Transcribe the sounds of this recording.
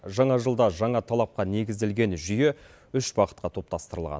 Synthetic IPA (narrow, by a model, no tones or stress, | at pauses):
ʒɑɴɑʒəlˠd̪ɑʒɑɴɑt̪ʰɑlˠɑp̚qɑne̞ɡʲɪzd̪e̞lɡʲe̞nʒʏje̞ | ʏʃbɑqə̥t̪̚qɑt̪ʰo̞p̚t̪ɑst̪əɾəlˠʁɑ̰n